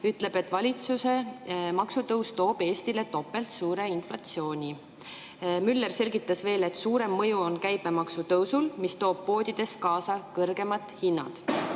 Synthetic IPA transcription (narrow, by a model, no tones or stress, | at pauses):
yt̪le̞b̥e̞t̪ːˑvɑlʲit̪susemɑksut̪ɤwst̪o̞ːb̥e̞ːst̪ile̞t̪o̞pːˑe̞lt̪suːɾe̞inflɑt̪sio̞ːnʲi | mylːerse̞lʲɡit̪ːˑɑsve̞ːle̞t̪ːsuːɾe̞mːɤjuonkæjbe̞mɑksut̪ɤwsulmist̪o̞ːb̥̚po̞ːd̪id̪̥e̞skɑːsɑkɤrɡ̥e̞mɑt̪ˑhinːɑ̰d̪̥